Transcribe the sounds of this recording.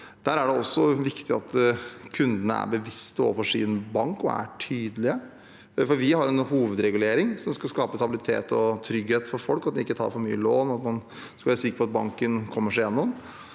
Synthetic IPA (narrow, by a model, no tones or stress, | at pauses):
d̪̥æɾæɖɛɔsːɔʋɪkt̪ɪɑt̪kʰʉnd̪ənə̰æ̰ɾbəʋɪst̪əo̰ːfɔʂḭːnbɑŋkɔ̰æ̰ʈʰyːd̪əlɪə | fɔɾʋɪɦɑɾɛnhuːʋəd̪ɾɛɡʉleːɾɪŋsɔmskɑlskɑːpəst̪ɑbɪlɪt̪ʰḛːt̪ɔt̪ʰɾʏɡheːt̪fɔɾfɔlkɑt̪d̪ɛɪkːət̪ʰɑ̰ːɾfɔɾmy̰ːəloːnɔɑt̪mɑn | skɑlʋːɾəsɪkːɾəpɔɑt̪̚bɑ̰ŋkənkʰɔmːəʂæɾjɛnːɔm